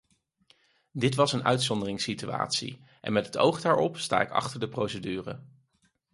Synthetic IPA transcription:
dɪtʋɑsənœɥtsɔndərɪŋsitya̰ːtsḭ | ʔɛ̰nmɛtɦəto̰wχdaːɹʔɔpsta̰ːɪkɑ̰χtəɹdəprowsədyːrə̰

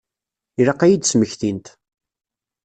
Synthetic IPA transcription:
iɾɑqːæjid̪sməçθint̪

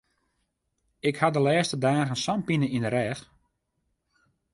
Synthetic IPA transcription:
ɪkhadəlɛːstədaːɣənsampinəindəɾɛːx

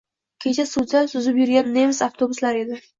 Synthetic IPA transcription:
kʲʰet͡ʃʰasuzasʊzɪpjʊɾɡʲanːemɪsaft̪ʰobʊslaɾe̞d̪ɪ

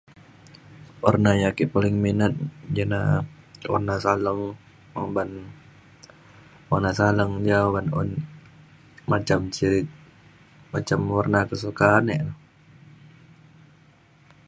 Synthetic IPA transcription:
ɔrnajakiʔpalɪŋminət̪̚d͡ʒana | wɔ̰rnasaləŋ | aŋban | wanasaləŋd͡ʒawanɔ̰n | mat͡ʃamt͡ʃiɾɪk̚ | mat͡ʃamwarnakəs̬ukaːnɛʔnɔ

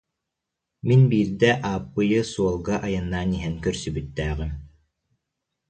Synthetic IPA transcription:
minbiːɾd̪ɛʔaːpːɯjɯsuɔlˠɡaʔajɯnːaːniɦɛnkœɾsybyt̪ːæːʁim

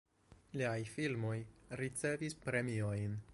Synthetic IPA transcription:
liajfilmo̞jɾit͡se̞vispɾe̞mio̞jn

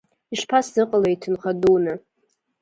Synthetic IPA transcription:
iʂpʰasdɨqʼalaitʰɨnχadunɨ

